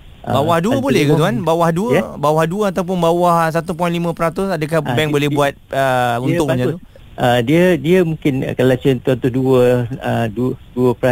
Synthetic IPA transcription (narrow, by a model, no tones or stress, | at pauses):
ʔəbawahduəbolɛhkauanbawahduəbawahduəat̪awp̬ʊnbawahs̬at̪up̬ɔjnlimə̃pəɾat̪ʊsadək̬ahbɛŋbolɛhuat̪̚əunt̪ʊkɲãt̪u | ʔədiədiəmũŋkɪn̰kəlat͡ʃənt̪uant̪ʊhduəəduduəpəɾa